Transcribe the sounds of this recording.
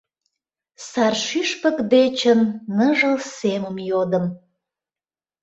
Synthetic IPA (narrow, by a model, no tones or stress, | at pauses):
sɑrʃyʃpəkd̪et͡ɕənːəʒəlseməmjod̪əm